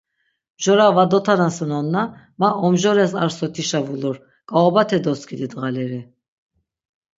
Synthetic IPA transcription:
mʒɔɾavad̪ɔt̪ʰanansənɔnːa | maɔmʒɔɾɛsaɾsɔt̪ʰiʃavulɔɾ | ɡ̥ʼaɔbat̪ʰɛd̪ɔskʰid̪id̪ʁalɛɾi

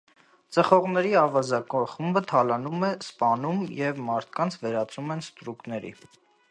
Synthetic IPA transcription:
t͡səχɔʁnɛɾiɑvɑzɑkɔχumbət̪ʰɑlɑnumɛspɑnumjɛvmɑɾt̪ʰkɑnt͡sʰvɛɾɑt͡sumɛnst̪ɾuknɛɾḭ

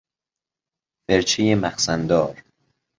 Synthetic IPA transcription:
feɾt͡ʃʰejemæxsænd̪ɒːɾ

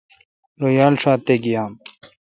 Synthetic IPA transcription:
ɾojaːlʂaːt̪eɡijaːm

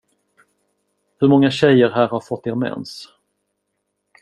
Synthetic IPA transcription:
hɵɾmɔŋːaɕɛjəɾɦæːɾhaɾfɔt̪ːeːɾmɛ̰ns

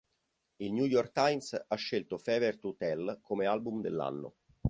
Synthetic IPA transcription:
ilnjujɔrkt̪ajmsaʃːelt̪ofɛːvert̪ut̪ɛlkomealbumd̪ḛlːa̰nːo̰

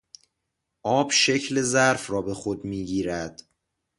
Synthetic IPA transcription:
ʔɒːbʃe̞cʰle̞zæɾfrɒːbe̞xod̪miːɟiːɾæd̪̥

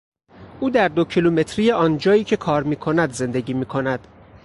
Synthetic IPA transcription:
ʔuːd̪æɾd̪o̞cʰilume̞t̪ʰɾijeʔɒːnd͡ʒɒːjiːcʰe̞kʰɒːɾmiːkʰo̞næd̪ze̞nd̪eɟiːmiːkʰo̞næd̪̥

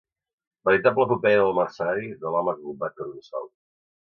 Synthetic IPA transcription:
bəɾit̪abləpəpɛðəlˠmaɾsaɾid̪əlamak̚bubak̪̚əɾunsa̰l

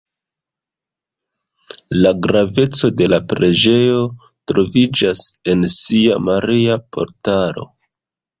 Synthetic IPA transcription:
laɡɾave̞t͡so̞de̞lapɾe̞d͡ʒe̞jo̞ | tɾo̞vid͡ʒase̞nsia̰maɾiapʰo̞̰ɾtaɾo̞̰

